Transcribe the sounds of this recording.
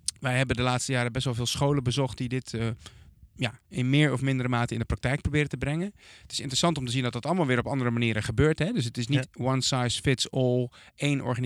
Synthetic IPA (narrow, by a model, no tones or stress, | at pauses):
ʋɛjɦɛbəndəlaːtstəjaːɾəbɛsʋɔlˠvɪːlˠsχowlənbəzɔχt̚didɪtə | jaɪnmɪːɹɔfmɪndəɾəmaːtəɪndəprɑk̚tɛjk̚probɪːɾətəbrɛŋənətɪ̥sɪ̰ntərəsɑntɔmtəzindɔt̚dɑtɑləmalˠʋɪːɹɔpɑndəɾəmaniːɾəχəbøːɹtɦɛdøs̬ətɪsnitwɑnsajsfɪtsɔlˠ | ejnʔɔ̰ɹχan